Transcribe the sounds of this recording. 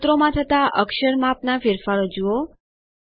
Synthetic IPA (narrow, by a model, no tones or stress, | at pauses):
t̪ɾomãt̪ʰət̪aʔəkʃəɾmãpnafɪɾfaɭod͡ʒuo